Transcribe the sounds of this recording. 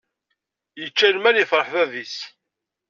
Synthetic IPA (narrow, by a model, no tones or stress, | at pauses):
jət͡ʃːælmænjəfɾˤəħðæðis